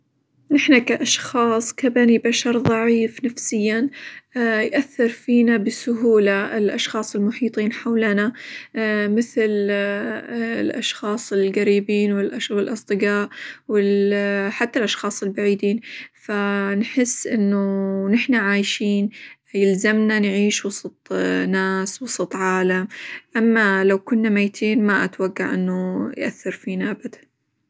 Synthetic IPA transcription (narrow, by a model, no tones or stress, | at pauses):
nɪħnakaʔɑʃxɑːsˤkabanibaʃɑɾˤðˤɑʕiːfnafsɪjːan | jʔaθːɪɾˤfiːnabɪsʊɦuːlaɪlʔɑʃxɑːsˤɪlmʊħiːt̪ˤiːnħawlana | mɪθl | lʔɑ̰ʃxɑːsˤɪlɡaɾiːbiːnwɪlʔwɪlʔɑsˤd̪ˤɨɡaːʔwɪlħat̪ːalʔɑʃxɑːsˤɪlbaʕiːd̪iːnfanħɪsːʔɪnːʊnɪħnaʕaːjʃiːn | jɪlzamnanʕiːʃwɑsˤɑt̪ˤnaːswɑsˤɑt̪ˤʕaːlamʔamːalawkʊnːamajt̪ʰiːnmaʔa̰t̪waɡːa̰ʕʔɪnːujʔaθːɑɾfiːnaʔabad̪an